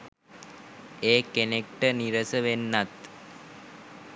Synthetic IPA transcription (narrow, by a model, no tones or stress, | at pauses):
eːkenek̚ʈəniɾəsəʋenːat̪